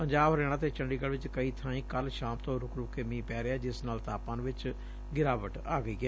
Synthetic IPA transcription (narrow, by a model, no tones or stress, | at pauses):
pəɲd͡ʒaːbɾeːɽ̃ãːt̪eːt͡ʃəɳɖiːɡəɽʋɪt͡ʃkəiːt̪ʰãːĩːkəlʃaːmt̪õːɾʊkɾʊkːeːmĩːpɛːɾeɛːd͡ʒɪsnaːlt̪aːpãːnʋɪt͡ʃ | ɡɪɾaːʋəʈaːɡəiːɡɛː